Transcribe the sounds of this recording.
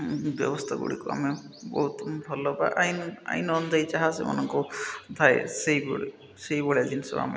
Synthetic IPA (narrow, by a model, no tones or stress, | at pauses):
bjɔbɔst̪ʰaɡṵɽikua̰me | bɔɦut̪bʱɔlɔbaʔajna̰jnɔnd̪ʱajt͡ʃaɦasḛma̰nɔŋkud̪ʱaesejbɔe | sejbɔɭjad̪insɔa̰mḛ